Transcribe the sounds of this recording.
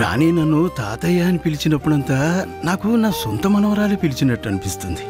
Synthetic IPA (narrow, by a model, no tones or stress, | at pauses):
ɾa̰ːniːnɐnːut̪aːt̪ɐjaːnipilit͡ʃinɐpːuɽɐnt̪aːnaːkunaːsɔnt̪ɐmɐnɐʋɐɾaːleːpilit͡ʃinɐʈːɐnipist̪und̪i